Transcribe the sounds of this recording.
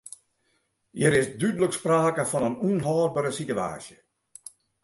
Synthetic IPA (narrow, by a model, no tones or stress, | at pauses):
jəɾɪsdydələkspraːkəfɔnənunɦɔːrbəɾəsitya̰ːsjə